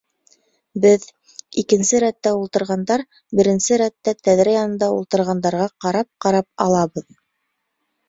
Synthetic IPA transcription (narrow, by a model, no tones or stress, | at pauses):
bɘð | ikɘ̆nsɘɾæt̪ːæulˠt̪ɤ̆ɾʁɑnd̪ɑɾ | bɘ̆ɾɘ̆nsɘɾæt̪ːæt̪æðɾɘjɑnɤ̆nd̪ɑulˠt̪ɤ̆ɾʁɑnd̪ɑɾʁɑqɑɾɑp̚qɑɾɑp̚ɑ̰lˠɑβɤð